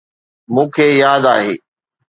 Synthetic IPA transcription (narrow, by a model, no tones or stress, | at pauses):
mũːkʰeːjaːd̪a̰ːɦḛː